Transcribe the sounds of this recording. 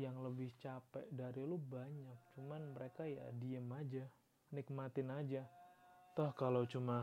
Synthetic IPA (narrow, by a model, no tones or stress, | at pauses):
jaŋləbɪht͡ʃapɛʔdaɾilubaɲak̚t͡ʃumanməɾekaja̰diəmad͡ʒa | nɪk̚mat̪ɪnad͡ʒat̪ʊhkalot͡ʃuma